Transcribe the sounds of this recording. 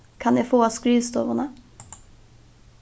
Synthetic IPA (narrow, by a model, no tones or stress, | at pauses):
kʰɑneːfoːɑːskɾyːst̪o̰ːʋəʁnə